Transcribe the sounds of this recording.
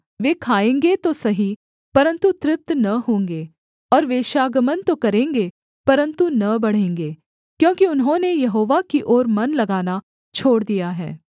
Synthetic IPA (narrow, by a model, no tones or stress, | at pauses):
ʋeːkʰaːẽːŋɡet̪osɐɦi | pɐɾə̃nt̪ut̪ɾɪp̚t̪nɐɦõːŋɡeː | ɔːɾʋeːʃaːɡəmənt̪okɐɾẽːŋɡe | pɐɾə̃nt̪unɐbɐɽ̤ẽːŋɡeː | kjõːkiʊnɦõnejɐɦoːʋakiʔoːɾmɐnlɐɡaːna | t͡ʃʰoːɽd̪ijaɦɛ̰ː